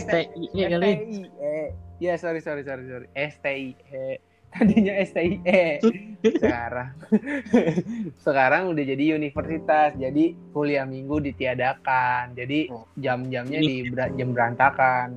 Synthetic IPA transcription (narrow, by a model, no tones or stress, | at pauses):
st̪eaɡaliɛjasoɾisoɾisoɾisoɾiʔɛst̪eiɛ | t̪adiɲaɛst̪eiʔɛ | səkaɾaŋ | səkaɾaŋudahd͡ʒadiunifərsit̪asd͡ʒadikuliahmiŋɡudit̪iadakand͡ʒadid͡ʒamd͡ʒamɲadibad͡ʒambəɾant̪akan